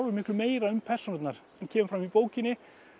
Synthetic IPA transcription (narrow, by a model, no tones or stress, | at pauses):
vʏɾmɪhklʏmeːjɾaʏmpʰɛr̥snɔt̪naɾ̥ | ɛncʰɛːmʏfɾamipoːwcɪnːɪ